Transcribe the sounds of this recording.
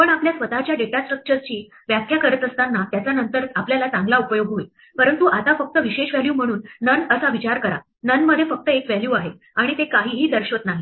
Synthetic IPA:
pəɳapljasʋət̪at͡ɕjaɖeʈasʈɾək̚t͡ɕəɾt͡ɕiː | ʋjakʰjakəɾət̪əst̪anːat̪jat͡sanənt̪əɾapljalat͡saŋɡlaupəjoɡɦoi | pəɾənt̪uʔat̪afək̚t̪əʋiɕeɕʋæljuːm̤əɽ̃uːnːənəsaʋit͡ɕaɾkəɾa̰ | nənməd̪ʱjefək̚t̪əekʋæljuːaɦe | aɽ̃it̪ekaɦiːɦiːd̪əɾɕʋət̪naɦi

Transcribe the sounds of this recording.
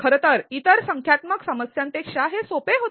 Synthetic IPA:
kʰəɾət̪əɾit̪əɾsəŋkʰjat̪məksəməsjãnt̪ekʂaɦesopeɦot̪

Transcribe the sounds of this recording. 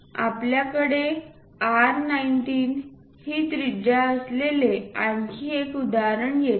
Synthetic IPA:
a̰pljakəɽe | aɾnainʈiːn | hiːt̪ɾid͡ʑaəsleleankiːekud̪aɾəɳjet̪

